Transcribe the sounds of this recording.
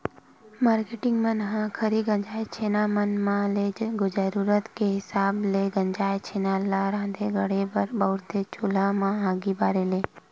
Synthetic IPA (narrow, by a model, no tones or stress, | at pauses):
maːɾkeʈɪ̃ŋɡmənɦãkʰəɾiɡə̃ɲd͡ʒaːjt͡ʃʰeːnamənmãleːd͡ʒɡʊd͡ʒəɾuːɾət̪keɦɪsaːbleɡə̃ɲd͡ʒaːet͡ʃʰeːnaːlaɾãːnd̪eɡəɽebəɾbəʊɾt̪et͡ʃoːlamãɦãːɡibaːɾeleː